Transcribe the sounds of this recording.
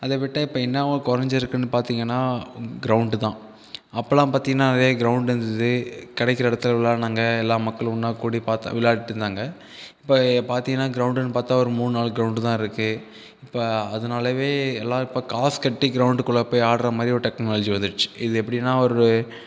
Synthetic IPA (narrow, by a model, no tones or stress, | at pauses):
ɐðɐʋɪʈːɐɪpːoːɛnːɐʋɐkɔɾɐɲd͡ʒɪɾɯkːɯnːɯpaːɾt̪iːŋɡɐnːaːɡɪɾɐʊɳɖt̪ãː | ɐpːɐlãːpaːɾt̪iːŋɡɐnːaːnɐɾjɐɡɪɾɐʊɳɖɪɾɯnd̪ɯðɯkɐɽɛkːɪɾɐɪɽɐt̪ːɪlɐʋɪlaːnaːŋɡɐɛlːaːmɐkːɐɭʊnːaːkuːɽipaːɾt̪ːã̰ʋɪlːaːɽɪʈːɯɾɯnd̪aːŋɡɐ | ɪpːopaːɾt̪iːŋɡɐnːaːɡɪɾɐʊɳɖɯnːɯpaːɾt̪aːɔɾɯmuːnɯnaːɭɡɾɐʊɳɖt̪ãːɪɾɯkːɯ | ɪpːoɐðɐnaːlɐʋeːɛlːãːɪpːoːkaːskɐʈːiɡɪɾɐʊɳɖkɔɭːɐpːoːjaːɽɾɐmaːd̪ɾiɔɾʈɛknaːlɔd͡ʒiʋɐnd̪ɯʈt͡ʃːɯ̥ɪðɯɛpːɐɽinːaːɔɾɯ